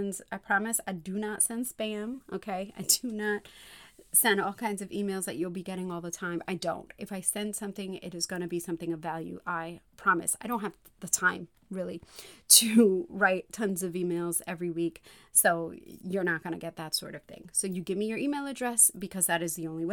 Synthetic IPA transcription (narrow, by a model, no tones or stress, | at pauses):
nzaɪpʰɹ̥ɑmɨsaɪdɨnətsɛ̃nspæɨ̃mʔoʊkʰeɪa̰ɪdɨnət̚sɛ̃ndɔlˠkʰãɪ̃ndzʌvimeɪlˠzðɨ̰t͡ʃɨlˠbiɡɛɾɪ̃ŋɔlˠðətʰãɪ̃ma̰ɪdõʊ̃ntɨfaɪsɛ̃nd̥sʌ̃mθɪ̃ŋɪ̰ɾɨzɡʌñɨbisʌ̃mθɪ̃ŋʌvælˠjʉ̰ʔaɪpʰɹ̥ɑmɨ̰saɪɾõʊ̃nthɨv | ðɨtʰãɪ̃m | ɹɪlˠiɾɨɹaɪtʰːʌ̃nzʌvimeɪlˠzɛvɹiwik | soʊjə˞nət̚ɡ̥ʌñɨ̰ɡɛt̪̚ðɨtsɔ̰ɹɾʌv̥θɪ̰̃ŋsoʊjɨɡɪvmijə˞ʔimeɪlˠɨdɹɛsb̥ɨkʰʌzðɨɾɨzðiõʊ̃nliw